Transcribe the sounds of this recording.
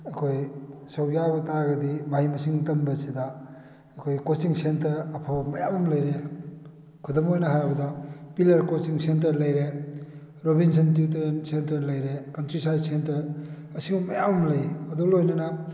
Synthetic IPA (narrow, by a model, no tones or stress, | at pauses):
ɐkʰojsɐwjabɐtaɡɐdimahijmɐsiŋtɐmbɐsida | ɐkʰojkot͡ʃiŋsentɐɾɐpʰabɐmɐjamɐmlɐjɾe | kʰudɐmojnɐɦajbɐdɐpilɐɾkosiŋsent̬ɐɾlɐjɾe | ɾobinsʰɐntiuteɾensentɐɾlɐjɾekɐntɾisajdsentɐɾ | ɐsiŋbɐmɐjamɐmlɐjɐdulojnɐnɐ